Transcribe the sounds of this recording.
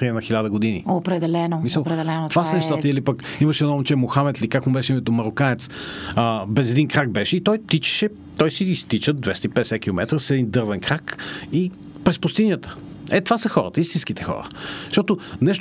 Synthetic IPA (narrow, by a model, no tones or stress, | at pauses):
t̪ɾinɐxilʲad̪əɡod̪inḭopɾɛd̪ɛlɛnomisəlˠpɾɛd̪ɛlɛnot̪vasɐnɛʃt̪at̪əilipəkiməʃɛnɔmt͡ʃɛmoxamɛt̪likakmubɛʃɛimɛt̪omɐɾokanɛt̪səbɛzɛd̪inkɾak̚bɛʃɛit̪ɔjt̪it͡ʃɛ̥ʃɛ | t̪ɔjsiːst̪it͡ʃəd̪vɛst̪ipɛd̪ɛsɛt̪̚kʲilˠomɛt̪ɾəsɛd̪ind̪ɤɾvɛnkɾaki | pɾɛspust̪inʲjət̪ə̥ | ɛt̪v̥asəxɔɾə̰t̪əist̪inskit̪ɛ̥xɔ̰ɾə̰ʃt̪ɔt̪onɛʃt̪